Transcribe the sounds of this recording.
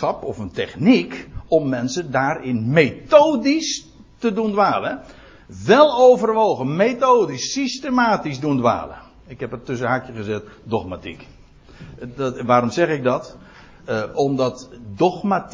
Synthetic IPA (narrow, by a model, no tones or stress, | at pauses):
ɑpɔfəntɛχnikɔmːɛnsəndaːɾɪnmejtoːdis | tədundʋaːlə | ʋɛlˠowvərʋowχənmetowdisːistemaːtizdundʋa̰ːlə̰ | ɪkɦɛpətɵs̬əɦakjəχəzɛtdɔχmatḭk | ʋaːɾɔmzɛχɪɡ̚dɑt | ɔmdɑtdɔχmat